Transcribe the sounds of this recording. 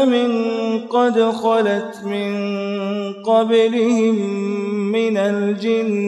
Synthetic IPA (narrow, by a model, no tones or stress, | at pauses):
mɪnqɑd̪ɾxɑlat̪mɪn | qɑblɪhɪmː | ɪnald͡ʒɪn